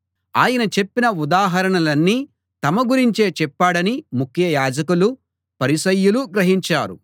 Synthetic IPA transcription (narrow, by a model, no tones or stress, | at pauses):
aːjɐnɐt͡ʃe̞pːinɐud̪aːɦɐɾɐɳɐlɐnːiː | t̪ɐmɐɡuɾiɲt͡ʃe̞ːt͡ʃɛpːaːɽɐnimukʰjɐjaːd͡ʒɐkulu | pɐɾisɐjːuluɡɾɐɦiɲt͡ʃaːɾṵ